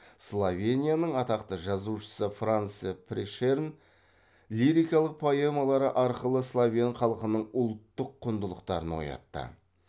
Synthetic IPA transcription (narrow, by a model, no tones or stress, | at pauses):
slˠovʲenʲijanəɴɑt̪ɑqt̪əʒɑzuʃə̥səfranspʰɾeʃern | lʲiɾijkɑlˠəq̚pʰajemɑlˠɑɾəʔɑɾqəlˠəslˠovʲenχɑlˠəqənəɴʊlˠt̪ːəqʰːʊnd̪əlˠəqt̪ɑɾənwo̰jɑ̰t̪ːə̰